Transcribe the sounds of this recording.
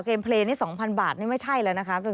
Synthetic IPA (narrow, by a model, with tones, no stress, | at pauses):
keː˧mpʰleː˧niː˦˥˩sɔː˩˦ŋpʰa˧nbaː˨˩t̪̚niː˥˩ma˥˩jt͡ɕʰa˥˩jlɛː˧˩na˦˥kʰa˦˥pe˧